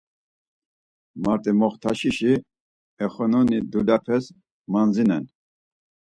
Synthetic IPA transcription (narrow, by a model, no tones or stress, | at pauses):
maɾt̪ʼimɔχt̪ʰaʃiʃi | ɛχɔnɔnid̪ulapʰɛs | manzinɛn